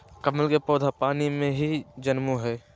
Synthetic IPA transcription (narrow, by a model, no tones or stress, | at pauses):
kəməlkepɔːd̪ʱapaːnimẽɦid͡ʒənmuɦɛː